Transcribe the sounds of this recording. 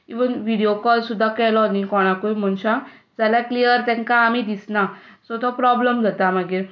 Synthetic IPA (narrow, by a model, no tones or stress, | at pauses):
iʋənʋiɽijokɔlsud̪ʱːakɛlɔnikɔɽ̃ãkujm̤ənɕa | d͡zalaklijəɾt̪ɛ̃ŋkaːmid̪isnasɔt̪ɔpɾɔbləmd͡zʱat̪amaɡiːɾ